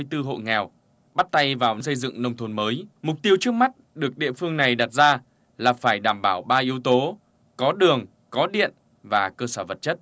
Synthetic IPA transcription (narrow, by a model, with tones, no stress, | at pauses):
t̪ɨ˧ɦo̰˧˨ŋɛ˨˩w | ɓa˦˥t̚t̪a˧jvaː˨˩wsə˧jzɨ̰˧˨ŋnə˧wŋ͡mt̪ʰo˧˩nməː˨˦jmʊ˨˩k͡p̚t̪i˧əwt͡ɕɨ˦˥ək̚ma˦˥t̚ɗɨ˨˩ək̚ɗḭ˧˨əfɨ˧əŋna˨˩jɗa˨˩t̚zaː˧ | laː˨˩faː˧˩jɗaː˧˩mɓaː˧˩wɓaː˧ʔi˨˦wt̪o˨˦ | kɔ˨˦ɗɨ˨˩əŋ | kɔ˨˦ɗḭ˧˨ən | vaː˨˩kəː˧səː˧˩və˨˩t̚t͡ɕə˦˥t̚